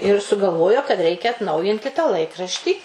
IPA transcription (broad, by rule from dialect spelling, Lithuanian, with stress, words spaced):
ɪr sʊɡɐlˠˈʋoːjoː kɐt ˈrʲɛɪkʲɛ ɐtˈnɐʊjɪnʲtʲɪ tɑː ˈlˠɐɪkrɐʃʲtʲiː